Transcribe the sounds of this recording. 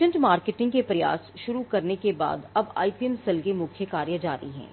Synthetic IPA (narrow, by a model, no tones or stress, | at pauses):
ə̃ɳʈmaːɾkeʈɪ̃ŋɡkepɾɐja̰ːsʃʊɾukɐɾnekeba̰ːd̪ɐba̰ːipiɛmsɐlkemʊkʰjəkaːɾjəd͡ʒaːɾiɦɛ̰̃ː